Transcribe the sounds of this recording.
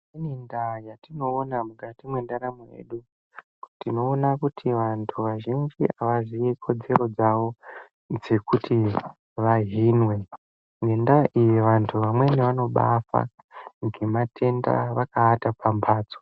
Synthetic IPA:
anindajatino̞ːnamukatimwendaɾamejḛɗu | ktino̞ːnakutʰiʋantʰuʋaʒind͡ʒiʔaʋazijekʰo̞d͡ze̞ɾo̞d͡zaʋo̞ | d͡ze̞kutʰi | ʋaɦinwe̞ | ŋe̞ndaʔijeʋantʰuʋamwe̞neʋano̞ɓa̰fa̰ | ŋɡe̞matʰe̞nda̰ʋakaːtapʰampʰaːd͡zo̥

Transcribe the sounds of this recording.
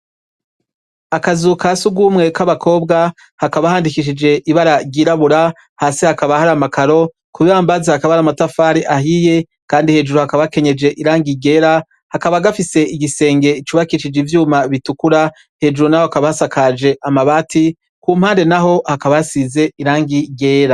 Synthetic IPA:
akazukasuɡuːmŋe̞kaβakʰo̞ːbɡa | hakaβahaːndikiʃ̬id͡ʒe̞ʔiβaɾaɟiːɾaβuɾa | haːsihakaβahaɾamakʰaɾo̞ | kuβiaːmbazahakaβaaɾamatafaːɾiʔaɦije̞ | kaːndihe̞ːd͡ʒuɾuhakaβake̞ɲe̞d͡ʒe̞ʔiɾaːŋɡiɡe̞ːɾa | hakaβaɡafise̞iɡise̞ːŋɡe̞it͡ʃuːβakiʃid͡ʒivjuːmaβitukuɾa | he̞ːd͡ʒuɾunahoakaβahasakad͡ʒe̞ʔamaβaːti | kuːm̥haːnde̞naɦo̞hakaβajasize̞iɾaːŋɡiɡe̞ːɾa

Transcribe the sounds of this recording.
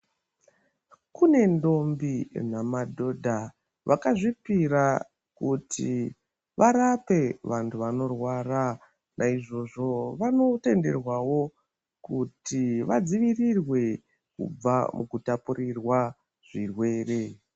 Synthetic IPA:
kune̞ndo̞mbinamadʱo̞dʱa | ʋʔakaʐipiɾa | kutʰi | ʋaɾape̞ʋantʰuʋano̞rwaːra | nʔaiʐo̞ʐo̞ʋano̞te̞nde̞rwawo̞ | kutiʋad͡ziʋirirwe̞ | kṵb͡vamʔukutapurirwa | ʐ̥irwe̞ːre̞

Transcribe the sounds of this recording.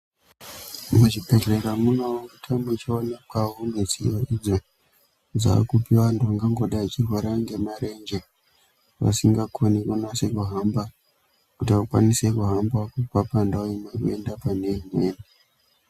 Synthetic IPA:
muʐipe̞reɾamunowokutʰambut͡ʃionakwaɦumet͡sḭjoid͡zo | d͡za̰ːkupiwandoaŋɡaŋɡoɗat͡ʃirwoɾaŋɡe̞maɾe̞nd͡ʒe | ʋa̰siŋɡakʰonikunasekuɦamba | kutiʋakwa̰nise̞kuɦambakupapandauimekue̞ndapane̞mweːni

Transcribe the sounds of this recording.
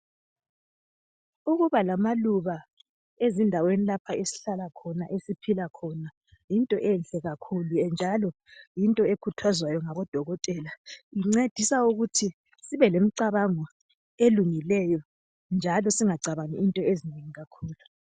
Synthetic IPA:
uɣuβalamaluβa | ezindʱawenilapʰaesi̥ɬalakʰɔnaʔesipʰilakʰɔna | jintʼɔʔɛnɬɛɣakʰuluɛnd͡ʒʱalɔ | jintʼɔekʰutʰwazwajɔŋaβɔd̥ʱɔɣɔtʼɛlaiŋ͡ǀed̥ʱisauɣutʰi | siβɛlem̩ǀaβaŋɔ | eluŋilɛjɔ | nd͡ʒʱalɔsiŋaɡ͡ǀʱaβaniʔintʼɔezineŋiɣakʰuːlu

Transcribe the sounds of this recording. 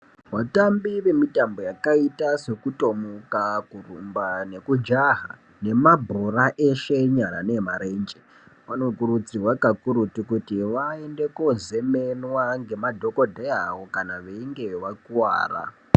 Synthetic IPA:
ʋatambiʋe̞mitambo̞jakaitase̞kuto̞mokakurumbane̞kud͡ʒaɦa̰ | ne̞mabʱroraʔeʃe̞ɲaɾa̰ne̞maɾend͡ʒe | ʋano̞kuɾut͡sirwakakuɾutikutiʋae̞nde̞koze̞menwaŋɡe̞madʱo̞ko̞dʱeawo̞kanaʋeiŋɡe̞ʋakuwa̰ːra̰

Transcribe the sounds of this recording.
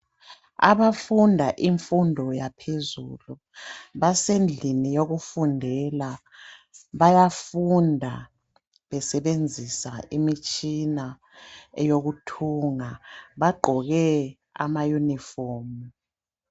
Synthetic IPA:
a̰βafundʱaʔiɱfundʱɔjapʰezṵlu | βasend͡ɮʱinijoɣufundʱɛla | βajafundʱa | βɛsɛβend͡zʱisaimit͡ʃʼina | joɣutʰuŋaβaɡ͡ǃʱɔɣɛ | a̰majunifoːmu

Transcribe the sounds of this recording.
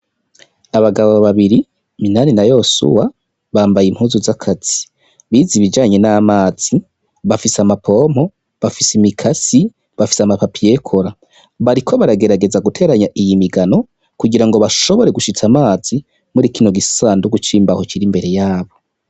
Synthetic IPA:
aβaɡaβoβaβiɾi | minaninajo̞sṵwa | βaːmbajimhuzuzakʰaz̥i̥ | βiziβid͡ʒaːɲe̞naːmaːz̥i | βafisamapʰo̞m̥o̞ | βafisimikʰasi | βafi̥samapapije̞kʰoɾa | βaɾikʰo̞βaɾaɡe̞ɾaɡe̞zaɡutʰe̞ːɾaɲaʔijimiɡano̞ | kuɡiɾaŋɡo̞βaʃo̞βo̞ɾe̞ɡuʃit͡samaːzi | muɾikino̞ɡisaːnduɡut͡ʃiːmbaho̞t͡ʃiɾimbe̞ɾe̞jaːβo̞

